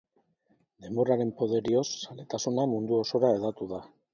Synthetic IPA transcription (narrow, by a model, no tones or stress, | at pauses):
d̪e̞moraɾe̞mpo̞ð̞e̞ɾio̞sːale̞t̪asunamund̪uo̞so̞ɾaeðat̪uð̞a